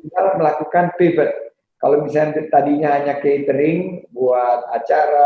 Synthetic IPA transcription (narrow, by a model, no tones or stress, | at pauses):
iɡalməlakukanpebət̪̚ | kalomisakant̪adiɲaɦaɲakeit̪əɾɪŋbuat̪̚at͡ʃaɾa